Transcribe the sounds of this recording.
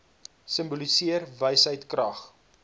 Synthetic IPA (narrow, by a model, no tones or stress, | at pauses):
səmbulisiərvəjsɦəjtkrɐχ